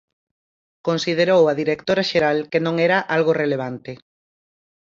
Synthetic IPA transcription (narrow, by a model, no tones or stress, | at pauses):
konsið̞eɾowɐðiɾekt̪oɾaʃeɾalkenõŋɛɾaʔalɣoreleβ̞ant̪ɪ